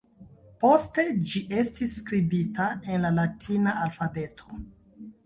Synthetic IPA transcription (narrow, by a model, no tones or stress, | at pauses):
po̞ste̞d͡ʒiʔe̞stisːkɾibitaenlalatʰinaʔalfabe̞tʰo̥